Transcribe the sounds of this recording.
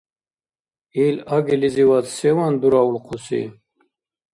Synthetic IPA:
ilaɡiliziwat̪sɛwand̪uɾaulqʰusḭ

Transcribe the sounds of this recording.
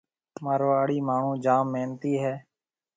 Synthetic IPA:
məɾʋaːɽiːmaːɳ̤ũːd͡ʒaːmːeːnt̪iːɦɛː

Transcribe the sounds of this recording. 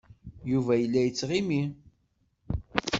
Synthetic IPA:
juvæjəlːæjət͡sːʁimi

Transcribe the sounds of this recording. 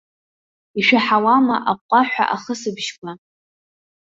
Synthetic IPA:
iʃᶣaħawama̰ʔap̚ʷʼaħʷᶣa̰ʔaχəsɨbʃkʷʰʼa

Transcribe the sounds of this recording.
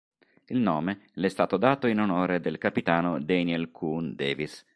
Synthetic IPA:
ilnɔːmelɛst̪aːt̪od̪aːt̪oinonoːɾed̪elkapit̪aːnod̪ɛnɛlkʰund̪ɛːvis

